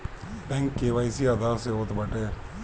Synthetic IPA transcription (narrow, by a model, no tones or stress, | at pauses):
bɛ̃ŋkːeːʋaːisiad̪aːseoːt̪bəʈeː